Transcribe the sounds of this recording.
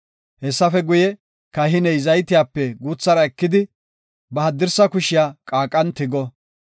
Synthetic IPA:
hɛsːɐfɛɡʊjɛ | kɐɦɪnɛjzɐjt̪ɪjaːpːɛɡuːt͡sːɐɾɐɛkːɪd̪ɪ | bɐhɐd̪ːɪɾsɐkʊʃɪjaːkʼaːkʼːɐnt̪ɪɡɔ

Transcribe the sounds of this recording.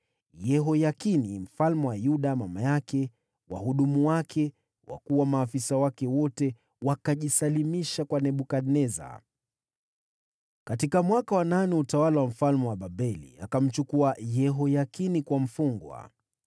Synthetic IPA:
jɛɦɔjakinim̩falmɛwajuɗamamajakɛ | wa̰ɦuɗumuwakʰɛ | wa̰kuwamaːfisawakɛwɔtɛ | wakaʄisalimiʃakwanɛɓukaɗnɛza̰ | katikamwakawananɛutawalawam̩falmɛwaɓaɓɛlḭa̰kam̩t͡ʃukuajɛɦɔjakinikwam̩fuŋɡwa̰

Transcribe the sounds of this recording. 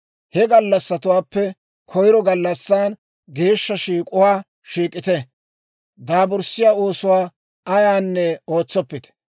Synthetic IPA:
hɛɡɐlːɐsːɐt̪ʊwaːpːɛ | kʰɔjɾɔɡɐlːɐsːaːn | ɡe̞ːʃːɐʃiːkʼʊwaː | ʃiːkʼɪt̪ɛ | d̪aːbʊɾsɪjaːoːsʊwaː | ɐjaːnːɛo̞ːt͡sːɔpːɪt̪ɛ̥

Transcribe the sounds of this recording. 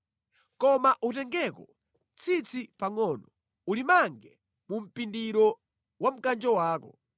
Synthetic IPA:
kɔmaʔutɛŋɡɛkɔ | t͡sʰit͡sʰipaŋɔːnɔ | ulimaŋɡɛ | mum̩pindiɾɔ | wam̩kand͡ʒɔwaːkɔ

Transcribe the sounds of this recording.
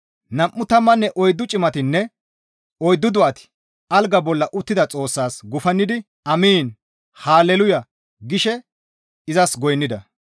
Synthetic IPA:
nɐmʔːʊt̪ɐmːɐnːɛʔɔjd̪ːʊt͡ʃʼɪmɐt̪ɪnːɛ | ɔjd̪ːʊd̪ʊʔɐt̪ɪ̥ | ʔɐlɡɐbɔlːɐʔʊt̪ːɪd̪ɐt͡sʼo̞ːsːaːsɡʊfɐnːɪd̪ɪ | ɐmiːn | haːlɛlʊjɐ | ɡɪʃɛ | ɪzɐsɡɔjnːɪd̪ɐ

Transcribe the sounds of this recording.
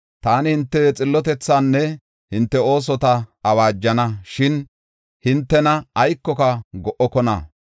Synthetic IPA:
t̪aːnɪhɪnt̪ːɛt͡sʼɪlːɔt̪ɛt͡sːaːnːɛ | hɪnt̪ːɛo̞ːs̬ɔt̪ɐɐwaːd͡ʒːɐnɐʃɪn | hɪnt̪ːɛnɐɐjkːɔkɐɡɔʔɔkɔnɐ̰

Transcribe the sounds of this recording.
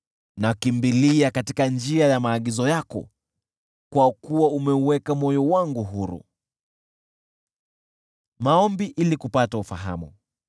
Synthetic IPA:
nakimbiliakatikand͡ʒiajamaːɠizɔjakɔ̰ | kwakuwaumɛuwɛkamɔjɔwaŋɡuɦuɾṵ | maɔmbiʔilikupataufaɦa̰mu

